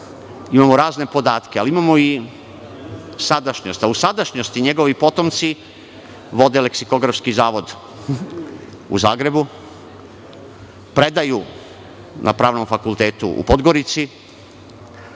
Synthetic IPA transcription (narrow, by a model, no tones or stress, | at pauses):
imamoɾaːzne̞po̞d̪aːt̪kealiimamoi | sad̪aʃɲost̪ausad̪aʃɲost̪iɲe̞ɡo̞ʋipo̞t̪o̞mt̪si | ʋo̞d̪e̞le̞ksiko̞ɡɾafskizaːʋo̞d̪ | ṵzaːɡɾe̞bu | pɾe̞d̪aju | nʔa̰pɾaːʋno̞mfakult̪e̞ːt̪ṵʔṵpo̞d̪ɡo̞ɾit̪si